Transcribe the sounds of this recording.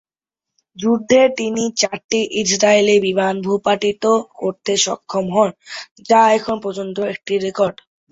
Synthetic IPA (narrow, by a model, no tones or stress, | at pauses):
d͡ʑuɾd̪ʱːet̪init͡ɕaɾʈiʔid͡ʑɾaelebibanbʱupaʈit̪okoɾt̪eʃɔ̰kʰːomɦɔn | d͡ʑaɛkʰonpɾɔd͡ʑont̪oek̚ʈiɾekɔɾɖ